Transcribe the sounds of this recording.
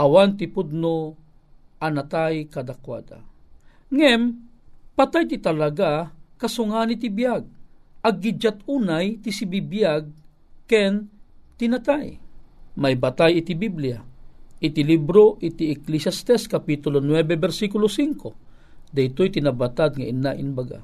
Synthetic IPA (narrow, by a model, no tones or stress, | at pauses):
ʔawant̪ɪpud̪̚no | anat̪ajkad̪akwad̪a̰ | ŋɛm | pat̪ajt̪it̪alaɡakɐsʊŋanit̪ibjaɡ̚ʔɐɡːid͡ʒat̪uːnajt̪isibibjaɡ̚ | kɛnt̪ɪnat̪ajmajbat̪ajɪt̪ibibliaʔɪt̪ilibɾoʔɪt̪iɛklisjast̪ɛskapit̪ʊlonwɛbɛbɛɾsikʊlosiŋko | d̪ɐjt̪ojt̪inabat̪ad̪̚ŋaʔinaʔɪnbaɡa̰